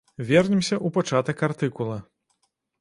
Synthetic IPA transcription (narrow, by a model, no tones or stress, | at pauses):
vʲɛrnʲɛmsʲɐʔupat͡ʂat̪ɐkart̪ɨkulˠɐ